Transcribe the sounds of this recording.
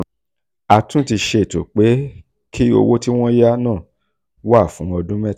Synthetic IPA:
a˨tũ˦ti˧ʃe˧˨to˨k͡pe˨˦ | kʰi˦o̰˧wo˦ti˦w̃ɔ̃˦ja˦nãː˦˨ | wa˦˨fũ˨˦ɔ˧dũ˦mɛ˦˨

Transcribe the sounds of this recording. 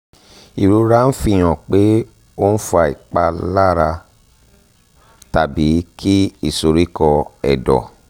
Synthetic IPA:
i˨ɾu˨˦ɾa˦n̩˦fi˦˧˨j̃ɔ̃˨k͡pe˨˦ | o˦n̩˦fu˧a˧˨ḭ˨k͡pa˧la˦ɾa˧ | ta˨bi˨˦kʰi˦i˦˨so˧ɾi˦kɔ˧ɛ̰˨dɔ̰˨

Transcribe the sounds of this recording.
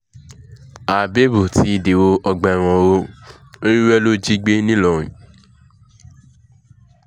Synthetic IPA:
a˨be˦bu˨tʰi˨˦i˨de˨wo˦ɔ˧ɡ͡bɛ˧˨ɾ̃ɔ̃˧ɾo˦ | ɾi˦wɛ˦lo˦d͡ʒi˦ɡ͡be˦nĩ˦lɔ˨ɾ̃ḭ̃˨

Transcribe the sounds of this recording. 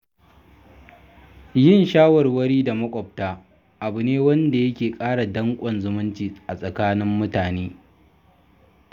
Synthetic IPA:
jɪ˦˨nʃaː˦wɔ˨rwɐ˦ɽiː˦da˨mɐ˦kʷʼɔ˨p̚taː˦ | ʔa˨bʊ˨neː˦wɐ˦nda˨jɐ˦kʲeː˨kʼaː˦ɽa˨dɐ˦ŋkʷʼɔ˨nzʊ˨mʊ˦nt͡ʃiː˨ʔa˨sʼɐ˨kaː˦nɪ˦mːʊ˦taː˨neː˦

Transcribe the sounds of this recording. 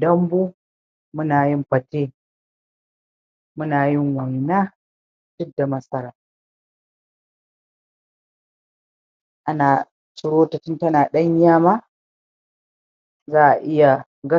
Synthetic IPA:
dɐ˦mbuː˦ | mʊ˦naː˨jɪ˦mɸɐ˨teː˦ | mʊ˦naː˨jɪ˦ŋwa˨jnaː˦ | d̥ʊ˦da˨mɐ˦sɐ˦ɾaː˨ | ʔa˦naː˨ | t͡ʃɪ˨ɽoː˦ta˨tɪ˦ntɐ˦naː˨ɗɐ˦ɲ˦jaː˦maː˦ | zaː˦ʔa˨ʔɪ˦ja˨ | ɡɐ˦

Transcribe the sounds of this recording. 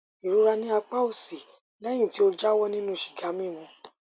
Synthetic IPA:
i˨ɾu˨˦ɾa˧nĩ˦a˧k͡pa˦o˦˨si˨ | lɛ̃˦ĩ˦˨ti˨˦o˧d͡ʒa˦wɔ˦nĩ˦nũ˦˨ʃi̥˨ɡa˨˦mĩ˦˨mɔ̃˨˧

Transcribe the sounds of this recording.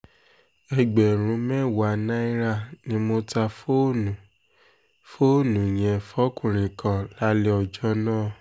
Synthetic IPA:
ɛ˧ɡ͡bɛ˨ɾ̃ũ˨˦mɛ̃˦˨wa˨nã˦i˦ɾa˦˨nĩ˦mo˧ta˧fo˦nũ˨ | fo˦˨nũ˨j̃ɛ̃˨fɔ˦kũ˦˨ɾ̃ĩ˨kʰã˨la˦le˦ɔ˧˨d͡ʒɔ˦nãː˦˨

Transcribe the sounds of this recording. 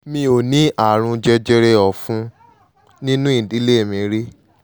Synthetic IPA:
mĩ˧o˨nĩ˨˦ʔa˨ɾ̃ũ˧d͡ʒɛ˧d͡ʒɛ˧ɾe˧ɔ˨fũ˦ | nĩ˦nũ˦ĩ˦˨di˨˦le˦e˦˨mĩ˧ɾe˦

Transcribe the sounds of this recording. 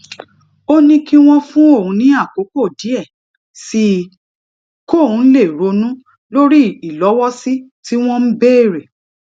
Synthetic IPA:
o˦nĩ˦ki˦w̃ɔ̃˧fũ˦o˦˨hũ˨˧˦nĩ˦a˦˨ko˨˦ko˦˨di˨˦ɛ˦˨ | si˧ | ko˦˨ũ˨˦n̩˦le˦˨ɾo˨˦nũ˦ | lo˦ɾi˦i˨lɔ˨˦wɔ˦si˦ti˦w̃ɔ̃˦m̩˦be˦e˦˨ɾe˨

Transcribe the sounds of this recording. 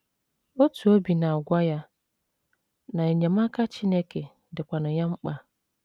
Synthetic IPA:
o˦tʰu˨o˦bi˨nã˨ɡʷa˦ja˦ | nã˨ɲɛ̃˨mã˦kʰa˦t͡ɕʰɪ˦nɛ˦kʰe˨ | dɪ˨kʷa˨nʊ̃˨ɲã˦ŋ͡m̩˦k͡pa˨

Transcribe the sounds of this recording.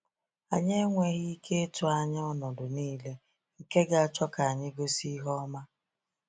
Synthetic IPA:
a˨ɲe˦ŋʷe˨ɣi˦kʰe˦e˦tʊ˨a˨ɲ˦ɔ˦nɔ˨dʊ˨niː˦le˦ | ŋ̩˨ke˦ɡa˨a˨t͡ʃɔ˦ka˨a˨ɲɪ˦ɡo˦si˦ɦɔ˦ma˦

